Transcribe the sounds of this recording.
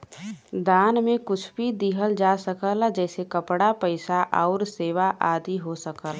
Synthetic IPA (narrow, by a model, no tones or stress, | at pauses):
d̪aːnmẽkʊt͡ʃʰbʱid̪iːɦəld͡ʒaːsəkəld͡ʒɛːsekəpɽapəɪsaʔɔːɾseːʋaʔaːd̪iɦosəkəl